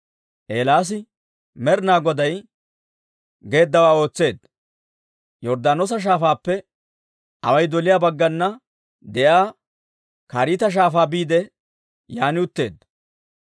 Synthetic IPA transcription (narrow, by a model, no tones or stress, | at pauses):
ʔeːlaːs̬ɪ | mɛɾnaːɡɔd̪ɐj | ɡe̞ːd̪ːɐwaːo̞ːt͡sːe̞ːd̪ | jɔɾd̪aːnɔs̬ɐʃ̬aːfaːpːɛ | ʔɐ̰wɐjd̪ɔlɪjaːbɐɡːɐnːɐ | d̪ɛʔaː | kaːɾiːt̪ɐʃ̬aːfaːbiːd̪ɛ | jaːnɪʊt̪ːe̞ːd̪